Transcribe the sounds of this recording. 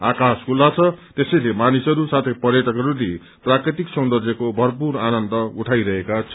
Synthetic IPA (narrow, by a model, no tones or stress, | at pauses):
akaskʰulːat͡sʰʌt̪esʌjlemanisʌɾusat̪ʰejpʌrjʌʈʰʌkɦʌɾule | prakrit̪iksʌnd̪ʌrd͡zʱekobʱʌrp̬uɾanʌnd̪ʌuʈʰajɾʌɦekat͡sʰʌ